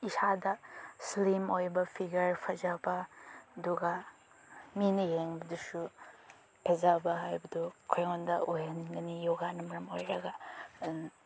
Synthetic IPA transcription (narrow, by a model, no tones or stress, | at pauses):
isadɐslimojbɐpʰiɡɐɾpʰɐzabɐduɡa | minɐjeŋbɐdusu | pʰɐzabɐɦajbɐdukʰojŋɔndɐ̰ʔohenɡɐnijoɡanɐmɐɾɐmojɾɐɡɐ